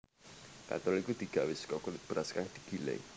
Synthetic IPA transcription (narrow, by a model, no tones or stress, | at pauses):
ka̰t̪ɔlikud̪̥i̤ɡ̥awɪskɔkulɪt̪̚b̥ɾaskaŋd̪̥i̤ɡ̥i̤lḛ